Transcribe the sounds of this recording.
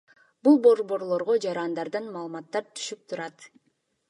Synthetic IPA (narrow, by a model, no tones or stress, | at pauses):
bulˠbo̞ɾbo̞ɾlˠo̞ɾʁo̞d͡ʒɑɾɑnd̪ɑɾd̪ɯnmɑːlˠmɑt̪ːɑɾt̪ʰy̥ʃyp̚t̪ʰuɾɑt̪